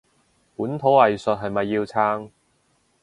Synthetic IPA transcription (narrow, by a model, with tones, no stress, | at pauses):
puː˨˥nt̪ʰo˨˥wɐ˨jsɵ˨t̚ɦɐ˨jmɐ˨jːiː˧wt͡sʰaː˥ŋ